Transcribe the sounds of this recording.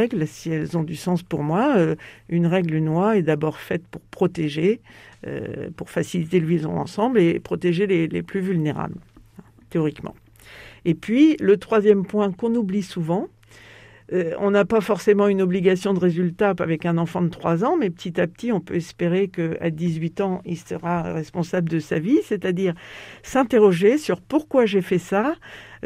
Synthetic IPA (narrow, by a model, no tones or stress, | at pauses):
ɛɡlsiɛlzɔ̃d̪ysɑ̃spuʁmwaøynʁɛɡlynwaɛd̪abɔʁfɛt̪puʁpχɔt̪eʒeø̰puʁfasilit̪elwizɔ̰̃ɑ̰̃sɑ̃blepχɔt̪eʒelelḛplyvylneʁa̰bl̃ | t̪eɔʁikmɑ̰̃ | epɥilət̪χwazjɛmpwɛ̃kɔ̃nublisuvɑ̃ | øɔ̰̃napafɔʁsemɑ̃ynɔbliɡasjɔ̃d̪əʁezylt̪aavɛkɛ̃nɑ̃fɑ̃d̪ət̪χwazɑ̃mɛpə̥t̪it̪ap̚t̪ʰiɔ̃pøɛspeʁekəa̰d̪izɥit̪ɑ̃ilsəʁa̰ʁɛspɔ̃sabləd̪əsaviset̪ad̪iːʁsɛ̃t̪eʁɔʒesyʁpuʁkwaʒefɛsa